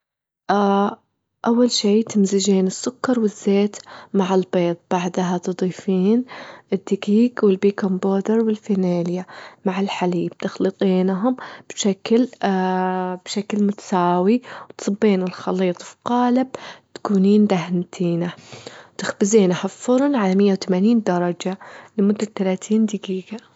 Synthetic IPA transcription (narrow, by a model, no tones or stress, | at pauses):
ʔa | ʔawːalʃiːt̪ɪmzɪd͡ʒeːnɪsːʊkːɑɾˤwɪzːeːt̪maʕɪlbeːt̪ˤb̥aʕd̪aɦat̪ɨd̪ˤiːfiːnʔɪd̪ːɪkiːɡwɪlbiːkomboːd̪ɪɾwɪlfineːljamaʕɪlħaliːb̥̚t̪ɪxlɨt̪ˤiːnɦʊmb̥ʃakl | b̥ʃaklmʊt̪ḁsaːwiwt̪sˤɨbːiːnɪlxɑliːt̪ˤfiqɑːlɪbt̪ḁkuːniːnd̪aɦnt̪ʰiːnat̪ɪxbɪziːnhaffʊɾˤnʕalamɪjːawt̪amaniːnd̪ɑɾˤɑd͡ʒalɪmʊd̪ːat̪ːalaːt̪ʰiːnd̪ɪkiːɡa